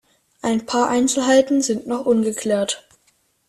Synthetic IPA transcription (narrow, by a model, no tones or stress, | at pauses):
ʔaɪnpʰaːɐʔaɪnt͡sl̩ɦaɪtn̩zɪntnɔχʔʊnɡəkʰl̥eːɐt